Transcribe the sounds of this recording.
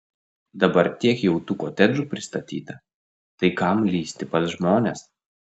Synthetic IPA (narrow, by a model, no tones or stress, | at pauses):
d̪ɐbɐɾt̪ʲiɛkjɛʊt̪uːkoːt̪ʲɛd͡ʒuːpʲɾʲɪst̪ɐt̪ʲḭːt̪ɐ | t̪ɐɪkɐmlʲiːsʲt̪ʲɪpɐt̪ʒmoːnʲes